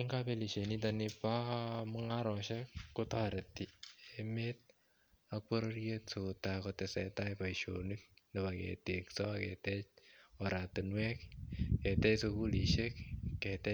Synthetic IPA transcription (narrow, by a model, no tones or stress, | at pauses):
iŋɡapeliʃenit̬anɪpamuŋaɾɔʃɛkːotaɾetiemet̚ | ak̚poɾoɾjetsokotakɔtɛsɛtajpaiʃonik̚ndeβakḛteksɔakɛ̰tɛt͡ʃɔɾatunwɛkkɛtɛsokuliʃekkːɛtɛ